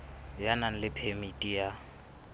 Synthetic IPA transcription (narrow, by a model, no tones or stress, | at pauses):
janaŋ̩lɪpʰemitʼija